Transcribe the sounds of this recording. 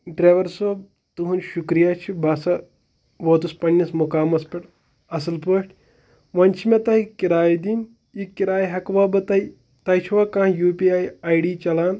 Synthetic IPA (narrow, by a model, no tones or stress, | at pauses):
ɖɾeːʋɐɾsoː | t̪uɦunʃukɾijaːt͡ʃʰibʱɐsɐ | ʋoːt̪uspɐɳʲːismukaːmɐspɐʈ | ɐsɐlpoːʂʈʰʲ | ʋɐnʲt͡ʃʰimet̪ɐikiɾaːjd̪iːn | ikːiɾaːjɦɐkʋaːbɨt̪ɐi | t̪ɐjt͡ʃʰiʋɐkãːjuːpiaːjajɖiːt͡ʃɐlaːn